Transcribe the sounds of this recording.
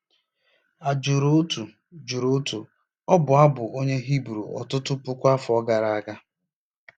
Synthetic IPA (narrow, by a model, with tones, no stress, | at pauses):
a˨d͡ʒu˨ɾo˦tu˨ | d͡ʒu˨ɾo˦tu˨ | ɔ˦bʊ˨a˦bʊ˨ʔo˦ɲe˦ɦi˦bɾu˨ɔ̰˨tʊ˦tʊ˦pʊ˦kʷa˦fɔ˦ɡa˨ɾa˨a˨ɡa˦